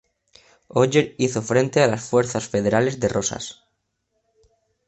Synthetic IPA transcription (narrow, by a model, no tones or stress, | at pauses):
oʎeɾiθo̞fɾe̞nt̪e̞alasfwe̞ɾθasfe̞ðe̞ɾale̞zðe̞rosa̰s